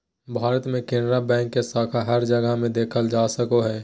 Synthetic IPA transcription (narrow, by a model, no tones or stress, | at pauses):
bʱaːɾət̪mẽkẽːnɾabɛ̃ːŋkːesaːkʰaɦəɾd͡ʒəɡəɦmẽd̪eːkʰəld͡ʒaːsəkoɦɛː